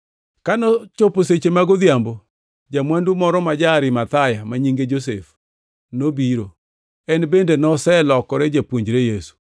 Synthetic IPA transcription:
kanɔt͡ʃoposet͡ʃemaɡʊd̪jambo | d͡ʒamwandumɔɾɔmad͡ʒaɾɪmat̪ajamaɲiŋɡed͡ʒosḛf | nobiɾo | ɛnbendenɔsɛlɔkɔɾɛd͡ʒapwoɲd͡ʒɾejesu̥

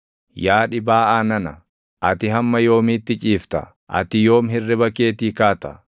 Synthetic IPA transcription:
jaːᶑɪbaːʔaːnɐnɐ | ʔɐt̪ɪɦɐmːɐjo̞ːmiːt̪ːɪt͡ʃʼiːft̪ɐ̰ | ʔɐ̰t̪ɪjoːmɦɪrːɪbɐkeːt̪iːkaːt̪ɐ

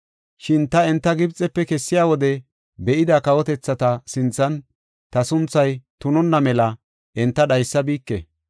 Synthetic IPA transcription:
ʃɪnt̪ɐɛnt̪ːɐɡɪbt͡sʼɛpːɛkɛsːɪjaːwɔd̪ɛ | bɛʔɪd̪akɐwɔt̪ɛt͡sːɐt̪ɐsɪnt͡sːɐn | t̪ɐsʊnt͡sːɐjt̪ʊnɔnːɐmɛlɐ | ʔɛnt̪ːɐɗɐjsːɐbiːkːɛ̰

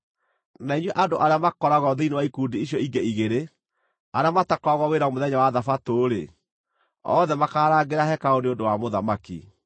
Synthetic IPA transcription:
naiɲwɛʔandoʔaɾeamakɔɾaɣɔðinewaikuːdiiɕjɔiɡɛiɣeɾe | aɾeamatakɔɣɔweɾamoðɛɲawaðafatoːɾḛ | ɔ̰ðɛmakaːɾaɡeɾahɛkaoneondowamoðamakḭ

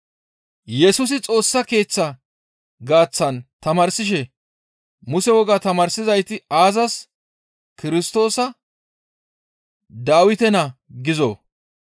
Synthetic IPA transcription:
jɛsʊs̬ɪt͡sʼo̞ːsːɐke̞ːt͡sːɐ | ɡaːt͡sːɐnt̪ɐmaːɾsɪʃ̬ɛ | mʊsɛwɔɡat̪ɐmaːɾsɪzɐjt̪ɪaːzɐs | kɪɾɪst̪o̞ːsɐ | d̪aːwɪt̪ɛnɐɡɪzo̰ː

